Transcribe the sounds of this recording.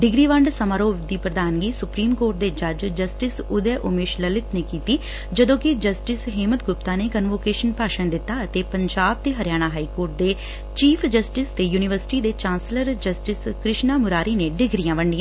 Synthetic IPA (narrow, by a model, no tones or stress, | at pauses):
ɖɪɡɾiːʋə̃ɳɖsəmaːɾoːʋd̪iːpɾəd̪aːnɡiːsʊpɾiːmkoːɾʈ̚d̪eːd͡ʒəd͡ʒd͡ʒəsʈɪsʊd̪ɛːʔʊmɪːʃləlɪt̪neːkiːt̪iː | d͡ʒəd̪õːkɪd͡ʒəsʈɪsɦeːmət̪ɡʊpt̪aːneːkənʋoːkeːʃənpaːʃənd̪ɪt̪ːaːət̪eːpəɲd͡ʒaːb̚t̪eːɦəɾjaːɽ̃aːɦaːiːkoːɾʈ̚d̪eː | t͡ʃiːpʰd͡ʒəsʈɪsd̪eːjuːnɪʋəɾsʈiːd̪eːt͡ʃãːnsləɾd͡ʒəsʈɪskɾɪʃnaːmʊɾaːɾiːneːɖɪɡɾɪjãːʋəɳɖɪjãː